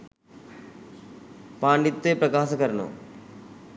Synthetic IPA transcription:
paːɳɖit̪ːeːpɾɐkaːsɐkɐɾɐɳo̰

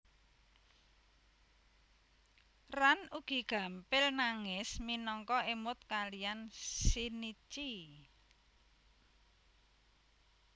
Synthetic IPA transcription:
ranuɡ̥i̤ɡ̥a̤mpɪlnaŋɪsminɔŋkɔemʊt̪̚kalijansinit͡ʃi

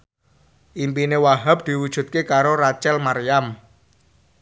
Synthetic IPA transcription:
ʔimpinewaɦap̚d̪̥i̤wud̥ʒ̥ṳt̪̚kekaɾoɾat͡ʃɛlmaɾijam

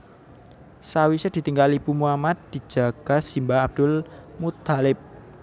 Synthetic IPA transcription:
sawisəd̪̥i̤t̪iŋɡalipumuamat̪̚d̪̥i̤̥d͡ʒ̥a̤ɡ̥a̤simbaab̚d̪̥ʊlmut̪alɪp̚

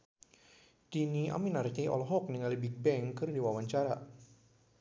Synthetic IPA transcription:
d̥iniʔa̰minart̪iʔɔ̰lɔɦɔk̚niŋalibik̚bɛŋkərdiwawaɲt͡ʃaɾa

